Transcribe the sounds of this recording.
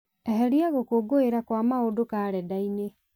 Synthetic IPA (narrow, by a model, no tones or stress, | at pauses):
ɛɦɛɾiaɣokoɡoeɾakwamaodokaɾɛdaine